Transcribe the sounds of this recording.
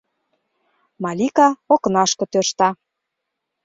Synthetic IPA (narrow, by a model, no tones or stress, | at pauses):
mɑlʲikɑoknɑʃkɤ̆t̪øʃt̪ɑ